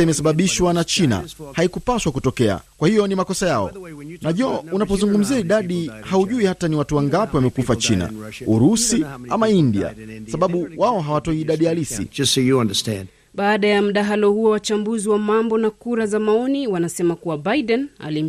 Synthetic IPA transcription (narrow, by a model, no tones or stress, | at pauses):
imɛsaɓaɓiʃwanat͡ʃina̰haikupaʃwakutɔkɛa̰kwahijɔnimakɔsajaɔ̰naʄɔunapɔzuŋɡum̩ziaiɗaɗihauʄuihataniwatuwaŋɡapiwamɛkufat͡ʃina̰ | uɾusiamaindia̰saɓaɓuwaɔɦawatɔiːɗaɗijalisḭd͡ʒʌstsojəãndəstɛ̰̃nd | ɓaːɗajam̩ɗaɦalɔhuɔwat͡ʃambuziwamambɔnakuɾazamaɔniwanasɛmakuwabaiɗɛna̰lim̩